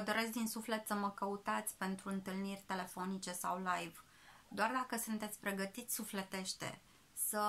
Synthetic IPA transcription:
əd̪o̞ɾe̞sk̚d̪insufle̞t̪səməkəut̪at̪sʲpe̞nt̪ɾuɨnt̪ɨlnirʲt̪e̞le̞fo̞nit͡ʃe̞sawlajv | d̪oard̪akəsunt̪e̞t̪sʲpɾe̞ɡət̪it̪sʲsufle̞t̪e̞ʃt̪e̞̰ | sə

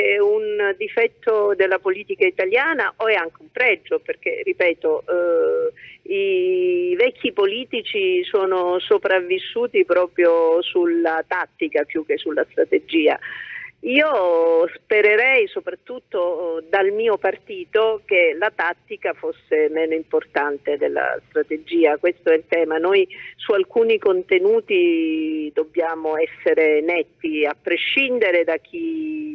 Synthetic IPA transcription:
ɛund̪ifɛt̪ːod̪elːapoliːt̪ikait̪aljaːnaʔoɛaŋk̟eumpɾɛd͡ʒːoperk̟erːipɛːt̪o | i | vɛkʰʲːipoliːt̪it͡ʃisoːnosopɾavːisːuːt̪ipɾɔːpɾjosulːat̪at̪ːikapjuk̟ːesːulːast̪ɾat̪ed͡ʒiːa̰ | iːospeɾeɾɛjsopɾat̪ːut̪ːod̪almiːopart̪iːt̪ok̟elat̪at̪ːikafosːemɛːnoimport̪ant̪ed̪elːa̰st̪ɾat̪ed͡ʒiːakwest̪oɛlt̪ɛːmanojsualkuːnikont̪enuːt̪id̪obːjaːmoɛsːeɾenɛt̪ːiapːɾeʃːind̪eɾed̪ak̟ʰːi

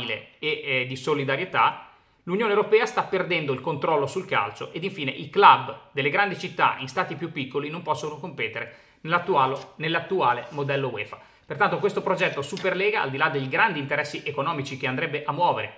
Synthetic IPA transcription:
ilḛed̪isolid̪aɾjet̪a | lunjoːnewɾopɛːast̪apːerd̪ɛnd̪oilkont̪ɾɔlːosulka̰lt͡ʃoʔed̪iɱfiːneʔilklabd̪elːeɡɾand̪it͡ʃit̪ːa̰inst̪aːt̪ipjupːikːolinompɔsːonokompet̪eɾe | nelat̪ːualonelːat̪ːuaːlemod̪ɛlːowḛːfa | pert̪ant̪okwest̪opɾod͡ʒɛt̪ːosuperlɛːɡaa̰ld̪ilad̪eʎɡɾand̪iːnt̪eɾɛsːiʔekonɔːmit͡ʃik̟eand̪ɾɛbːeʔamːwɔːveɾe

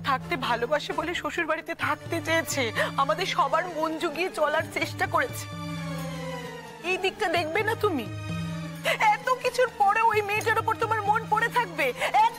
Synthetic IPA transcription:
t̪ʰak̚t̪ebʱalobaʃeboleʃoʃuɾbaɽit̪et̪ʰak̚t̪et͡ɕajet͡ɕʰeamad̪eɾʃɔbaɾmond͡ʑoɡiet͡ɕɔlaɾt͡ɕeʃʈakoɾet͡ɕʰe̥ | ejd̪ik̚ʈad̪ek̚ʰbenat̪umi | ɛt̪okit͡ɕʰuɾpɔɾeojmeʈ̬aɾopoɾt̪omaɾmonpoɽet̪ʰakbeɛ

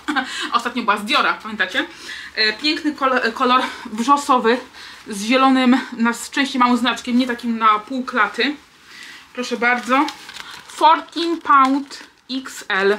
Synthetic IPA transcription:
ʔɔst̪at̪ɲɔ̃bɘwazbʲjɔɾapamʲjɛnt̪at͡ɕɛ | pʲjɛŋknɘkɔkɔlɔɾvʐɔsɔvɘzʑɛlɔnɘmnast͡ʂɛ̃w̃ɕt͡ɕejmawɔ̃znat͡ʂkʲɛmɲɛt̪akʲimnapuwklat̪ɘ | pɾɔʂɛbaɾd̪zɔ | fɔɾt̪ʲinpawnt̪ | iksɛl

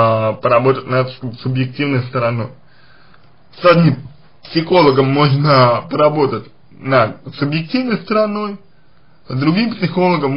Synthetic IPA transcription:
pəɾɐbo̞t̪ətʲnɐt̪sʊbjɪk̚tʲivnəjst̪əɾɐno̞j | sɐd̪ʲnʲim | psʲɪxo̞lˠəɡəmːoʐnəpəɾɐbo̞t̪ətʲ | nɐd̪sʊbjɪktʲivnəjst̪əɾɐnoj | zd̪ɾʊɡʲimpsʲɪxo̞lˠəɡəmː

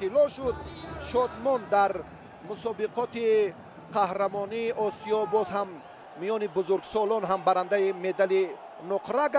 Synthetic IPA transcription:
ilɔʃud̪̚ʃɔd̪mɔnd̪aɾ | musɔbiqɔt̪i | qʰahɾamɔniːʔɔsijɔbɔzɦamː | ijɔnibuzuɾɡsɔlɔnɦambaɾand̪aime̞d̪ali | nuqʰɾaɡ

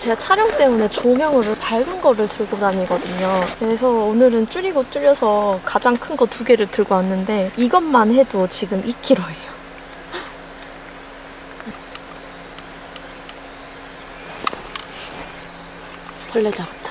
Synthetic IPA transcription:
t͡ɕeɡat͡ɕʰaɾjʌŋt͈e̞mune̞t͡ɕomjʌŋɯɾɯpaɭɡɯnɡʌɾɯɭtɯɭɡodaɲiɡʌdɯɲokesʰʌonɯɾɯnt͡ɕ͈uɾiɡot͡ɕ͈uɾjʌsʰʌkad͡ʑaŋkʰɯnɡʌtuɡe̞ɾɯɭtɯɭɡʌanːɯnde̞iɡʌnmanɦe̞dot͡ɕiɡɯmik͈ʰiɾoɦe̞jo | kʌɭːed͡ʑatʰa

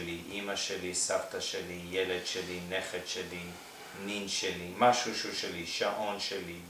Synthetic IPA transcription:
liʔimaʃelisaft̪aʃelijeled̪ʃelineχetʃeli | ninʃelimaʃuʃuʃeliʃaʔo̞nʃeli

